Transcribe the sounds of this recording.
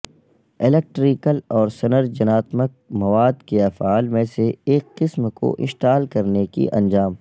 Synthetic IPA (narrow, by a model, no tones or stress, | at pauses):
ɪlek̚ʈɾiːkəlɔːɾsɐnəɾd͡ʒɐnaːt̪mək̚mɐʋaːd̪keɐfaːlmẽseeːkːɪsmko̰ʔɪ̰̃ʃʈ̪aːlkɐɾnekḭʔɐ̰̃nd͡ʒaːm